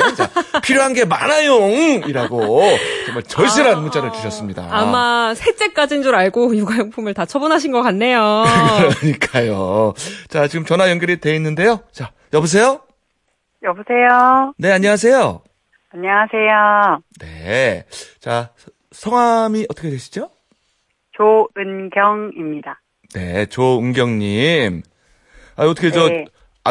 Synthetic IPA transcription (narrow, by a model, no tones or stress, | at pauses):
t͡ɕapʰiɾjoɦanɡe̞ma̰najoŋiɾaɡot͡ɕʌŋmat͡ɕʌɭɕ͈iɾannmut͡ɕ͈aɾɯɭkiɕʰʌs͈ɯmɲida̰amasʰe̞t͡ɕ͈e̞k͈ad͡ʑind͡ʑuɾaɭɡojoɡajoŋpʰumɯɭtat͡ɕʰʌbunɦaɕʰinɡʌk͈anːe̞jokɯɾʌɲik͈ajo | t͡ɕat͡ɕiɡɯmt͡ɕʌnajʌŋɡjʌɾide̞inːɯnde̞jot͡ɕa | jʌbus̬ʰe̞jo | jʌbusʰe̞jone̞aɲːʌŋas̬ʰe̞jo | aɲːʌŋasʰe̞jone̞̰ | t͡ɕa | sʰʌŋwamiʌt͈ʰʌkʰeweɕʰi̥d͡ʑo | t͡ɕoɯnɡjʌŋimɲida | ne̞t͡ɕoɯŋɡjʌŋɲim | aʌtʰʌkʰed͡ʑʌ